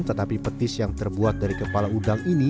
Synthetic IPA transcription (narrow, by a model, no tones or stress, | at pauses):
nt̪ət̪apipət̪ɪsjaŋt̪ərbuat̪̚daɾikəpalaudaŋini